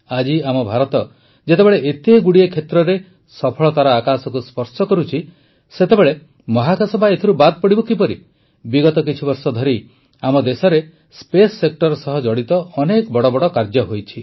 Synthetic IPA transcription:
ad͡ʒiamɔbʱaɾɔt̪ɔ | d͡ʒet̪ebeɭeʔet̪eɡuɽiekʰet̪ɾɔɾe | sɔpʰɔɭɔt̪aɾaːkasɔkuspɔɾsɔkɔɾut͡ʃʰi | set̪ebeɭe | mɔɦakʰasɔbʱaet̪ʰiɾubad̪̚pɔɽibɔkipɔɾi | biɡɔt̪ɔk̬it͡ʃʰibɔɾsɔd̪ʱɔɾi | amɔd̪esɔɾe | spesːek̚ʈɔɾsɔɦɔd͡ʒɔɽit̪ɔːnekɔbɔɽɔbɔɽɔkaɾd͡ʒɔɦojt͡ʃʰi

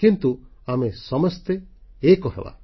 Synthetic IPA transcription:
kint̪uamesɔmɔst̪eekɔɦḛba̰

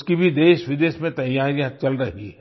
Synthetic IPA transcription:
skibʱid̪eːʃʋɪd̪eːʃmẽt̪ɐjaijãt͡ʃɐlɾɐɦiɦɛ

